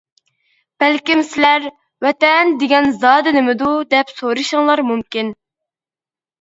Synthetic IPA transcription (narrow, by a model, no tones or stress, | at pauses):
b̥ɛlkʲimsɪlæɾ | wɛt̪ɛnd̪eɡʲɛnzɑːd̪ɨnɪmɪd̪ud̪ɛpsoɾɨʃɨŋlˠɑɾmumkʲin